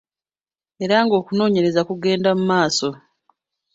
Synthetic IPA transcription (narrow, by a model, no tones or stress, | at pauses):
e̞ɾaŋɡo̞ːkuno̞ːɲe̞ɾe̞zakuɡe̞ːndamumaːso̞